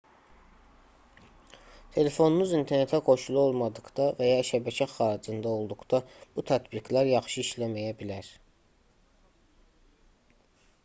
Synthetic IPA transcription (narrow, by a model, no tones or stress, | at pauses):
t̪ʰe̞le̞fo̞nunuzint̪ʰe̞ɾne̞t̪ʰækʰo̞ʃulˠuolˠmɑd̪ɯɡd̪̥ɑvæjɑʃæbæcʰæxɑːɾid͡ʒɯnd̪ɑo̞lˠd̪uqd̪ɑb̥ut̪ʰæt̪biɡlæɾjɑχʃɯiʃlæmæjæbilæɾ